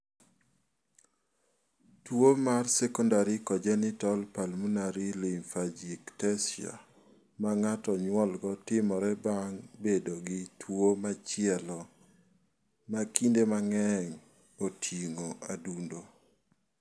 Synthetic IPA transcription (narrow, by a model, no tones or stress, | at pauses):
twomarsɛkɔndaɾikɔd͡ʒɛnɪtɔlpalmunaɾilɪŋfad͡ʒiktɛsɪa̰ | maŋatɔɲwɔlɡɔtɪmɔɾɛbaŋbedoɡɪtʰwomat͡ʃɪɛlɔ | makindemaŋɛŋ | otʰiŋoʔadundo